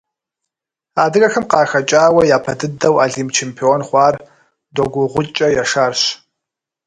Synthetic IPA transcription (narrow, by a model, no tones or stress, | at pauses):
aːdɨɣɐxɨmqɑːxɐt͡ʃʼaːwɐjaːpʰɐdɨdɐwaːɮimt͡ʃʰempʰioːnχʷɑːr | doɡʷʊʁʷʊt͡ʃʼɐjaʂaːrɕ